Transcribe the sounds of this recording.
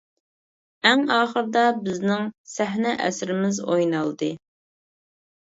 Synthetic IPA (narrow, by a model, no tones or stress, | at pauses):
ɛŋɑːχəɾd̪ɑbɪznɪŋsæɦnɛʔɛ̰sɾɪmɪzojnɑlˠd̪ɨ